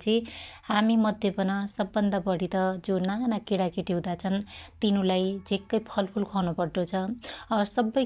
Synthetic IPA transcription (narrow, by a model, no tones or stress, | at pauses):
t͡sʰĩ | hamimʌd̪ʱjʌpʌnʌsʌbːʌnd̪abʌɽit̪ʌd͡zonanakeɽakeʈiɦũd̪at͡sʰʌnt̪inulajd͡zekːʌjpʰʌlpʰulkʰʌwnopʌɽʈ̪ot͡sʰʌʌsʌbːʌj